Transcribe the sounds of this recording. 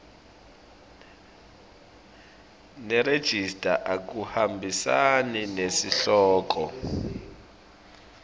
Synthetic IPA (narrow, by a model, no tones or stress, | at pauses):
nɛɾed̥ʒ̥ʱistʼa̰ʔak̬uhambʱisaninesiɬɔːk̬ɔ